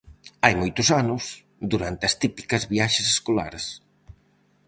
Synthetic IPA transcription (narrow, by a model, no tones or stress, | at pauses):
ajmojt̪ʊsanʊs | d̪uɾant̪eɐst̪ipi̥kɐzβiaʃɐseskola̰ɾs